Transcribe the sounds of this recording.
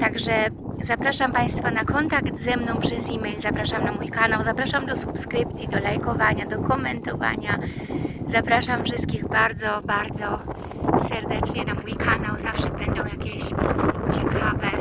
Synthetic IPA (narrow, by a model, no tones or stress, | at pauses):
t̪aɡʐɛ | zapɾaʂampaj̃st̪fanakɔnt̪akt̪zɛmnɔ̃w̃pʂɛzimɛjlzapɾaʂamnamujkanawzapɾaʂamd̪ɔsupskɾɘpt̪sʲjid̪ɔlajkɔvaɲad̪ɔkɔmɛnt̪ɔva̰ɲa | zapɾaʂamfʂɘst̪̚kʲiɣbaɾd̪zɔbaɾd̪zɔ | sɛɾd̪ɛt͡ʂɲɛnamujkʰanawzafʂɛbɛnd̪ɔ̃w̃jakʲɛɕt͡ɕɛkʰavɛ